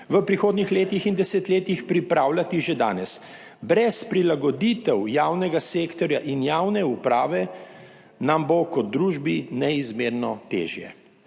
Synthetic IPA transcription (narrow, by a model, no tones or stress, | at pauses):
ʋəpɾixoːd̪nixleːt̪ixind̪ɛsɛt̪leːt̪ixpɾipɾaːwlʲat̪iʒed̪a̰ːnɛs | bɾɛspɾilaɡɔd̪it̪ɛwjaːwnɛɡaseːkt̪ɔɾjaʔinjaːwnɛupɾaːʋɛ | nambokɔd̪̚d̪ɾuːʒbinɛizmeːɾnɔt̪ḛːʒjɛ̰